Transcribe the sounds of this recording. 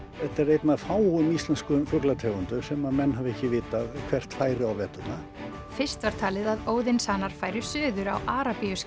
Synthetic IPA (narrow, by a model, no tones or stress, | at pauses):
ɛt̪ːaɾejt̪naðfaːwʊmist̪lanskʏmfʏklat̪ʰɛːɣʏnt̪ʏsɛmamɛnːhavɛhcɪvɪːt̪akʰv̥ɛr̥t̪faːjɾɪawvɛːt̪ʏna | fɪr̥st̪vaɾ̥t̪ʰaːlɪðaðoːwðɪnsaːnaɾ̥faːjɾɪsʏːðʏɾawʔaːɾapiʏs